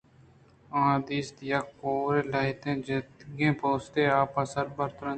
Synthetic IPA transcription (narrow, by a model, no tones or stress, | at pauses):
ãːd̪iːst̪jaːkoːɾeːlaːɪt̪ẽːd͡ʒɪt̪ɡẽːpoːst̪eːaːpasəɾbəɾt̪ɾə̃